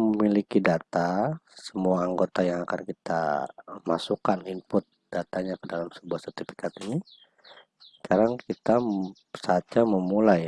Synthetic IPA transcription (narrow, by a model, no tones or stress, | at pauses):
məmilikidat̪asəmuaːŋɡot̪ajaŋaka̰nkit̪a̰masukanimpʊt̪̚d̥at̪aɲakədalamsəbuahsɛrt̪ifi̥kat̪ini | ssə̥kaɾaŋkit̪a | sat̪̚d͡ʒaməmulaj